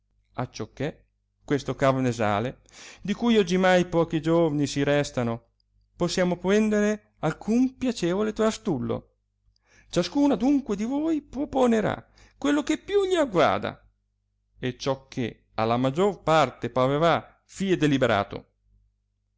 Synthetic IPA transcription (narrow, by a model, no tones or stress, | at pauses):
a̰t͡ʃːɔkːe | kwest̪okavneza̰ːle | d̪ikujɔd͡ʒimajpɔːkid͡ʒovanisiɾɛst̪ano | posːjaːmopɾɛnd̪eɾe | alkʰumpjat͡ʃɛːvolet̪ɾast̪ulːo̰ | t͡ʃaskuːnad̪uŋkwed̪ivojpɾoponeɾa̰ | kwelːokepːjuʎiaɡwa̰ːd̪a̰ | et͡ʃɔkʰːe | a̰lamad͡ʒːorpart̪epaveva | fiːɛd̪elibeɾa̰ːt̪o̰